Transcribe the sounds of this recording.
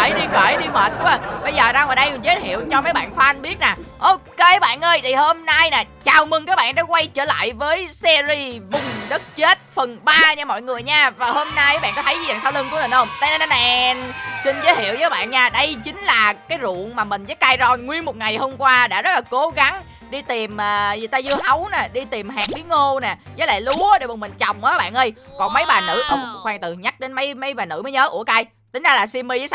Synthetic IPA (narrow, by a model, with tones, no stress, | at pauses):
ə˧˩jɗi˧kəː˧˩jɗi˧məː˨˩t̚ku˧˦ə˨˩ɓə˧jzəː˨˩zaː˧ŋɔː˨˩jɗə˧jmi˨˩zəː˨˦jhḭ˧˨əwt͡ɕɔ˧məː˨˦jɓa̰ː˧˨nfaː˧˦ʔa˧nɓi˦˥t̚na˨˩ʔo˧ke˧ɓa̰ː˧˨nʔəː˧jt̪ʰi˨˩ho˧mna˧jnaː˨˩t͡ɕaː˨˩wmɨ˧ŋkaː˨˦˥jɓa̰ː˧˨nɗa˧˥kwa˧jt͡ɕə̰ː˧˩la̰ː˧˨jvəː˨˦jsɛ˧zi˧vʊ˨˩ŋ͡mɗə˦˥t̚t͡ɕe˦˥t̚fə˨˩nɓaː˧ɲaː˧mɔ̰˧˨jŋɨ˨˩əjɲaː˧vaː˨˩ho˧mna˧jɓa̰ː˧˨nkɔ˨˦t̪ʰə˨˦jzi˨˩zaː˨˩ŋsaː˧wlɨ˧ŋku˧˦mə˨˩nhə˧wŋ͡mt̪aː˧jnə˧nə˧nɛ˨˧nsï˧nzəː˨˦jhḭ˧˩˨əwzəː˨˦jɓa̰ː˧˨nɲaː˧ɗə˧jt͡ɕï˨˦ŋ̟laː˨˩kaː˨˦jzṵ˧˨ənmaː˨˩mï˨˩ŋ̟zəː˨˦jkaː˧jzɔ˧˩jŋwi˧ənmo˨˩t̚ŋa˨˩jho˧mkwaː˧ɗa̰ː˧˥zə˦˥t̚laː˨˩ko˨˦ɣa˨˦ŋ | ɗi˧t̪i˨˩mʔəː˨˩zɨ˨t̪aː˧zɨ˧əhə˨˦wnaː˨˩ɗi˧t̪i˨˩mɦaː˨˩ŋ̚ɓi˨˦əŋo˧naː˨˩zəː˨˦jla̰ː˧˨lu˨˦ɗe˧˩mə˨˩mï˨˩ŋ̟t͡ɕa˨˩wŋ͡mʔːɓa̰ː˧˨nʔə˧j | kɔ˨˩nmə˨˦jɓaː˨˩nɨ̰˧˥ʔə˧wŋ͡mxwɛː˨˩t̪ɨ˨˩ɲa˦˥k̚ɗe˨˦nmə˨˦jmə˨˦jɓaː˨˩nɨ̰˧˥˩mə˨˦jɲəː˨˦ʔṵ˧˩əka˧j | t̪ï˨˦ŋ̟zaː˧laː˨˩si˧mːi˧zəː˨˦˧